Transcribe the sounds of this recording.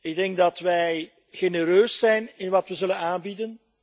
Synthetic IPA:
ɪɡ̚dɛŋɡ̚dɑtʋɛj | ɣenəɾøːsːɛjnɪnʋɑtʋəzɵlənaːnbidən

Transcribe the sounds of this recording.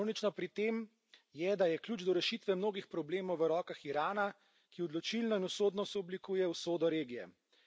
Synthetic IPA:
wnit͡ʃnɔpɾit̪em | jɛd̪ajɛkljuːd͡ʒd̪ɔɾɛʃit̪ʋɛmnoːɡixpɾɔbleːmɔwʋəɾɔːkaxiɾaːna | kiɔd̪lɔt͡ʃilnɔinusoːd̪nɔst̪ɔblikuːjɛwsoːd̪ɔɾeːɡijɛ̰

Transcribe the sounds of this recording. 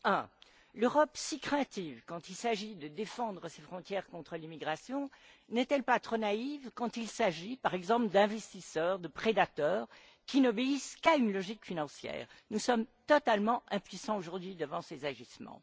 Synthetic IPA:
ɛ̃ | løʁɔpsikχɛ̃t̪ivkɑ̃t̪ilsaʒid̪əd̪efɑ̃d̪ʁəsefχɔ̃t̪jɛʁkɔ̃t̪χəlimiɡʁasjɔ̃ | nɛt̪ɛlpat̪χonaivkɑ̃t̪ilsaʒipaʁɛɡzɑ̃pləd̪ɛ̃vɛst̪isœʁd̪əpχed̪at̪œːʁ | kʲinɔbeiskaynlɔʒikfinɑ̃sjɛ̰ːʁnusɔmt̪ɔt̪almɑ̃ɛ̃pɥisɑ̃oʒuʁd̪ɥid̪əvɑ̃sezaʒismɑ̰̃

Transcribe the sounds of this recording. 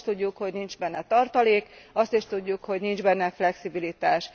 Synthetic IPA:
t̪uɟːukho̞ɟnind͡ʒbɛnːɛt̪ɒrt̪ɒleːkɒst̪iʃt̪uɟːukho̞ɟnind͡ʒbɛnːɛflɛksibilit̪aːʃ

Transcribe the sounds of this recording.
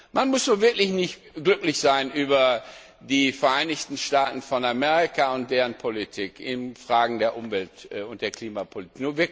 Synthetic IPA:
manmʊsnuːɐvɪɐklɪçnɪçt | ɡ̥lʏklɪçz̥aɪnʔyːbɐ | diːfɛɐʔaɪnɪçtn̩ʃtaːtn̩fɔnamɛːʁikaʊnt̚d̥eːʁənpʰolitʰiːkɪnfʁ̥aːɡŋ̩deːɐʔʊmvɛltːʊnt̚d̥eːɐkl̥iːmapʰolitːknuːɐvɪɐk

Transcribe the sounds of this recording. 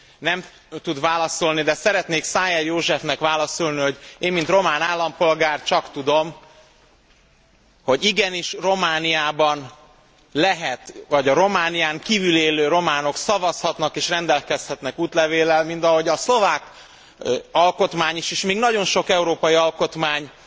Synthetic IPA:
nɛm | t̪ud̪vaːlɒso̞lnid̪ɛsɛɾɛt̪neːksaːjɛjoːʒɛfnɛkʋaːlɒsolniɦo̞ɟeːmmint̪ro̞maːnaːlːɒmpo̞lɡaːrt͡ʃɒkt̪ud̪o̞m | ho̞ɟiɡɛniʃro̞maːniaːbɒn | lɛɦɛt̪vɒɟɒɾo̞maːnijaːŋkiːvyleːløːɾo̞maːno̞ksɒvɒshɒt̪nɒkeːʃrɛnd̪ɛlkɛshɛt̪nɛkuːt̪lɛveːlɛlmint̪ɒɦo̞ɟɒslo̞vaːk | ɒlko̞t̪maːɲiʃiʃmiːɡnɒɟo̞nʃo̞kɛuɾoːpɒjiɒlko̞t̪maːɲ

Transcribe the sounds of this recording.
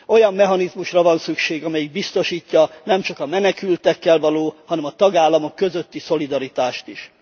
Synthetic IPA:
o̞jɒmːɛɦɒnizmuʃrɒvɒnsykʃeːɡɒmɛjiɡ̚bist̪o̞ʃiːcːɒnɛmt͡ʃɒkɒmɛnɛkylt̪ɛkːɛlvɒloːhɒnɛmɒt̪ɒɡaːlːɒmo̞kːø̞zø̞t̪ːiso̞lid̪ɒɾit̪aːʃt̪iʃ

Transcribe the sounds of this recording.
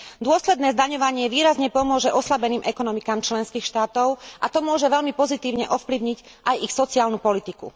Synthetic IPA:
d̪ʊɔslɛd̪nɛːzd̪aɲɔʋaɲɪɛʋiːɾazɲɛpɔmʊɔʒɛʔɔslabɛniːmʔɛkɔnɔmikaːmt͡ʃlɛnskiːxʃt̪aːt̪ɔʊʔat̪ɔmʊɔʒɛʋɛʎlmipɔzit̪iːʊɲɛʔɔfpliʊɲiɟ | ʔajixsɔt͡siaːlnupɔlit̪ikṵ

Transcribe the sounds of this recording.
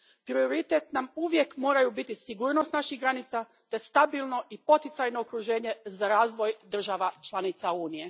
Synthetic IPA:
pɾio̞ɾit̪et̪namuʋje̞kmo̞ːɾajubit̪isiɡuːɾno̞st̪naʃiɦɡɾanit̪sa | t̪e̞st̪abilˠno̞ʔipo̞t̪it̪sajnoːkɾuʒe̞ːɲe̞zaɾaːzʋo̞jd̪r̩ʒaʋat͡ʃlˠanit̪sauːnije

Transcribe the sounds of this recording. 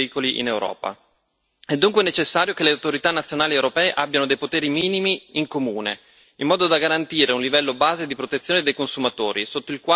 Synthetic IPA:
iːkoliʔḭnewɾɔ̰ːpa̰ | ɛd̪ːuŋkwenet͡ʃesːaːɾjokeleawt̪oɾit̪anːat̪sːjonaːliewɾopɛːeʔabːjanod̪ejpot̪eːɾimiːnimiiŋkomuːnḛ | imːɔːd̪od̪aɡaɾant̪iːɾeunlivɛlːobaːzed̪ipɾot̪et̪sːjoːned̪ejkonsumat̪oːɾisot̪ːoilkwa

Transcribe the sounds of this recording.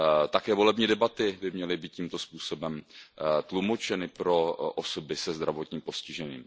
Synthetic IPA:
t̪akɛːvo̞lɛbɲiːdɛbat̪ɪbɪmɲɛlɪbiːt̪̚cimt̪o̞spuːso̞bɛmt̪lumo̞t͡ʃɛnɪpɾo̞ʔoso̞bɪsɛzd̪ɾavo̞t̪ɲiːmposcɪʒɛɲḭːm

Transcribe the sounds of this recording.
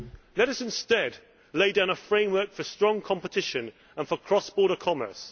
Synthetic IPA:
lɛɾʌsɪ̃nstɛd | leɪdãʊ̃nəfɹẽɪ̃mwɜˑkfəstɹ̥ɒ̃ŋkʰɒ̃mpətʰɪʃə̃n | ə̃nfəkʰɹ̥ɒsb̥ɔːɾəkʰɒmə̰ˑ˞s

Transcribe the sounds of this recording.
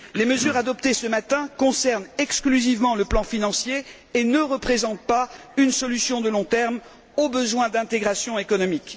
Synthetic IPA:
leməzyʁad̪ɔpt̪esəmat̪ɛ̃kɔ̃sɛʁnɛksklyzivmɑ̃ləplɑ̃finɑ̃sjeː | nəʁəpχezɑ̃t̪̚pa | ynsɔlysjɔ̃d̪əlɔ̃t̪ɛʁm | obəzwɛ̃d̪ɛ̃t̪eɡʁasjɔ̃ekɔnɔmik

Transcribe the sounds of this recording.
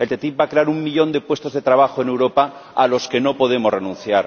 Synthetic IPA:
e̞lt̪e̞t̪ip̚bakɾe̞aɾuŋmiʎõ̞nd̪epwe̞st̪o̞zðe̞t̪ɾaβ̞axoe̞newɾo̞paːlo̞ske̞no̞po̞ð̞e̞morenũn̟θjaɾ

